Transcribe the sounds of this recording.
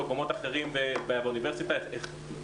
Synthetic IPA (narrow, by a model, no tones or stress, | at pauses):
eko̞mo̞t̪aχe̞ʁimvebebuniveʁsit̪aeχ